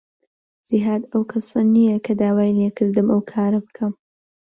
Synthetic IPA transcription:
z̥iɦaːd̪ɐwkʰɐsɐnijɐkʰɐd̪aːwaːjnekʰɨɾd̪ɨmʔɐwkʰaːɾɐbɨkʰɐm

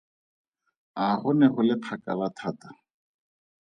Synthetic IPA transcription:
aχʊnɛχʊlɪpʰaka̰lat̪ʰaːtḁ

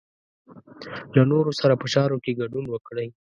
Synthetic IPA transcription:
lanoɾosaɾapəʃɑɾokeɡaɖunwəkɽəj

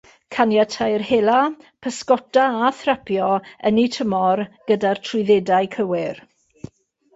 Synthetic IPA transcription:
kʰanjatʰajrheːlapʰəskɔtaaθrapʰjɔənitʰəmɔrɡ̥ədartʰrʊɨðedajkʰəwɪr

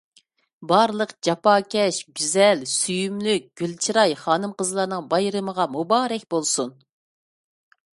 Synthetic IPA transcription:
bɑɾlˠəqd͡ʒɑpɑːkʲʰɛʃɡʲyzɛlsyjymlyk̚ʲɡ̥ʲylt͡ʃʰiɾɑjχɑːnɨmqəzlˠɑɾnɨŋbɑjɾɨməʁɑmubɑːɾɛkʲbolˠsun

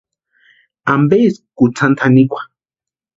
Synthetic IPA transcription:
ambeskut͡sʰant̪ʰanikʷʰḁ

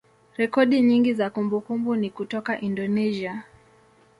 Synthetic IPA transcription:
ɾɛkɔɗiɲiŋɡizakumbukumbunikutɔkaʔindɔnɛzia

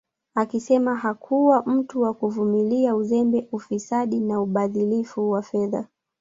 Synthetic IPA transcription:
akisɛmaɦakʰuwam̩tuwakuvumiliauzɛmbɛʔufisaɗinauɓaðilifuwafɛða

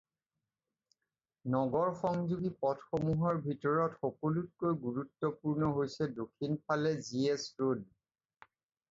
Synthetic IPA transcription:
nɔɡɔɹxɔŋzuɡipɔtxomuɦɔɹbʱitɔɹɔtxɔkolut̚kojɡuɹutːɔpuɹnɔɦojsɛdokʰːinpʰalɛziesɹod

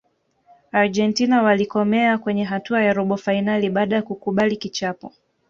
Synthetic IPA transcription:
aɾd͡ʒɛntinawalikɔmɛakwɛɲɛɦatuajaɾɔɓɔfainaliɓaːɗajakukuɓalikit͡ʃapɔ

